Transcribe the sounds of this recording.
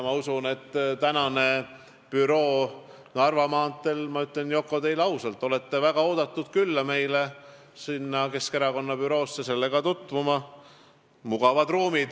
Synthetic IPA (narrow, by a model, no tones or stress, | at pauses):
mɑusune̞t̪ːt̪ænɑne̞ | pyɾo̞ː | nɑrvɑmɑːnt̪ːˑe̞lmɑyt̪ˑlenjo̞kːˑo̞t̪e̞jlɑwsɑlt̪ːˑo̞le̞t̪ːe̞væɡ̥ɑoːd̪̥ɑt̪ːˑud̪̥kylːɑme̞jle | sinːɑke̞ske̞ɾɑko̞nːɑpyɾo̞ːsːese̞lːe̞ɡ̥ɑt̪ut̪ːˑvumɑ | muɡ̥ɑvɑd̪̥ruːmid̪̥